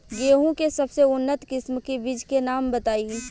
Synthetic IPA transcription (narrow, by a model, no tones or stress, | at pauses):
ɡeːɦõkesɐbseʊnːət̪kɪsmkebɪd͡ʒʱkenaːmbət̪aːi